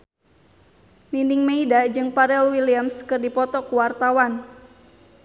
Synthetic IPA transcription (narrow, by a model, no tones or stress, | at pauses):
nindɪŋmeidad͡ʒɨŋpaɾɛlwiliamskɨrdipɔt̪ɔkuwart̪awan